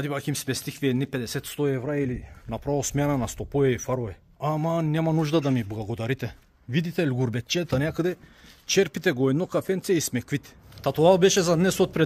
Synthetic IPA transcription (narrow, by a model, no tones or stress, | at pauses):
ad̪ipakimspɛst̪ixviɛd̪nipɛd̪ɛsɛt̪st̪ɔɛvɾailinapɾavɔlˠsmɛananast̪ɔpɔjɛifaɾɔvɛ | amanɛmanuʒd̪ad̪amiblˠaɡod̪aɾit̪ɛ | vid̪it̪ɛlʲɡuɾbɛt̪̚t͡ʃɛt̪anakad̪ɛt͡ʃɛɾpit̪ɛɡɔɛd̪nokafɛnt̪sɛismɛkvit̪ɛ̥t̪at̪ɔalˠbɛʃɛzad̪nɛsot̪̚pɾɛ